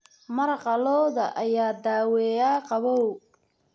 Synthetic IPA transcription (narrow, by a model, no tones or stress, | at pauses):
mɐɾɐqɑlɔːðɐʔɐjaːd̪aːwɛːjaːqɑβɔw